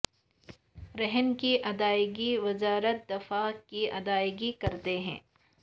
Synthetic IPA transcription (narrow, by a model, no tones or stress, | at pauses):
ɾɛɦnkiʔɐd̪aːɪɡiʋɪzaːɾət̪̚d̪ɪfaːkːiɐd̪aːɪɡikɐɾt̪eɦɛ̰̃ː